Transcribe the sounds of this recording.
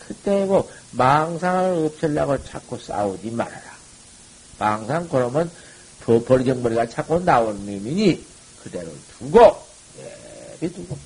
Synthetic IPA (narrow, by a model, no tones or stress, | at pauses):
kɯt͈e̞ɡomaŋsʰaŋɯɯɾʌp̚sʌlːaɣot͡ɕʰak͈os͈a̰od͡ʑima̰ɾa̰ɾa | maŋsʰaŋkɯɾʌmjʌn | pɯpʌɭɡjʌŋmʌɾiɡat͡ɕʰak͈onnaonɯmiɲi | kɯde̞ɾo̰tuɡo | jḛbituɡo